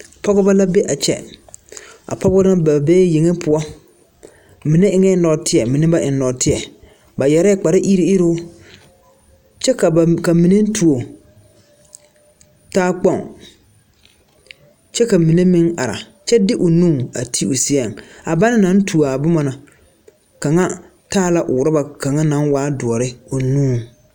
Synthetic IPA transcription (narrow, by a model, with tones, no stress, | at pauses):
pɔ˦ɡɔ˦ba˦la˦be˦ʔa˨t͡ʃɛ̰˦ | a̰˨pɔ˦bɔ˦a˦ba˨beː˦je˨ŋe˦pʰʊ˨ɔ˦ | mɪ˨nɛ˦ɪ˨ŋɛ˦nɔ˨tɪ˦ɛ˨mɪ˨nɛ˦ba˦ʔɪ˨nː˨ɔ˨tɪ˦ɛ˨ | ba˨jɛ˨ɾɛ˦k͡pa˨ɾɪ˦ʔi˦ɾi˦ɪ˦ɾʊ˦ | t͡ʃɛ˦ka˨ka˨mi˨ne˦n̩˦tʰu˨o˨ | taː˦k͡pɔ˦˨ŋ | t͡ʃɛ˦ka˨mi˨ne˦mɪ˦ŋa˨ɾa̰˨ | t͡ʃɛ˦dɪ˦ʔʊ˨nũː˦˨a̰˨tʰi˦ʊ˨si˦a˨ŋ˨a˨ba˦nɪ˦nã˦n˦tʰu˨a˨bʊ˦ma˨na˨ | ka˨ŋa˦ | taː˦˨la˨ʔʊ̰˨ɾɪ˦ba˨ka˨ŋa˦nã˨˦nwaː˦dʊ˨ɔ˨ɾɪ˦ʊ˨nũː˦˨